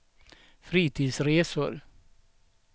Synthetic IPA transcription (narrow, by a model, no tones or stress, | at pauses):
fɾiːt̪ʰiːd̪sɾeːsʊɾ